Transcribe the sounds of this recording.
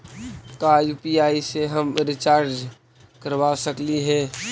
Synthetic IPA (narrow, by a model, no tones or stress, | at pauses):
kaːjupiaːiseɦəmɾɪt͡ʃaːɾd͡ʒ | kəɾʋasəkliɦɛː